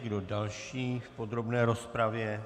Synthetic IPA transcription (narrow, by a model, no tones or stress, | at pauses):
ɡdo̞dalʃiːfpo̞d̪ɾo̞bnɛːɾospɾavjɛ